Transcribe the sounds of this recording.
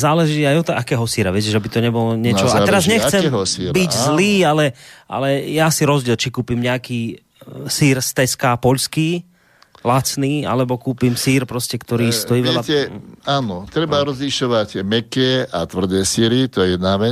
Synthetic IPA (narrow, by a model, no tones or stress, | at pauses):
zaːlɛʒiːajɔt̪ɔʔakɛːɦɔsiːɾaʋɪɛc̬ɛʒɛbit̪ɔɲɛbɔlɔɲɪɛt͡ʃɔaat̪ːɛɾazɲɛxt͡sɛmɦɔsiɾbiɟzliːalɛʔa̰lɛjasiɾɔzɟɪɛlt͡ʃikuːpimɲɛakiː | siːɾst̪ɛskaːpɔʎskiː | lat͡sniːa̰lɛbɔkuːpimsiːɾpɾɔscɛkt̪ɔɾiːstɔjiːʋɛɛʎaɛaːnɔt̪ɾɛbaɾɔzliʃɔʋactɛmɛkɛʔat̪ʋr̩d̪ɛːsiːɾit̪ɔjɛjɛd̪naːʋɛ